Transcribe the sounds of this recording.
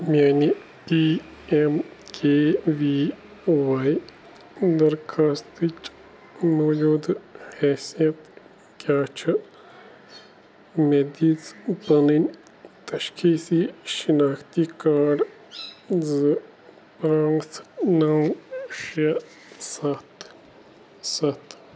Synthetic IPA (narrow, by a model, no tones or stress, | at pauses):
mjaːni | piː | emkʰeːʋiː | ʋaːj | d̪ɐɾkʰaːst̪it͡ʃ | moːd͡ʒuːd̪hɛːsijɐt̪ | kjaːt͡ʃʰɨ | med̪iːzbɐninʲ | t̪ɐʃkʰiːsiʃinaːxt̪ikaːɖ | zɨ | paːŋɡsnawʃɐ | sɐt̪ | sɐt̪ʰ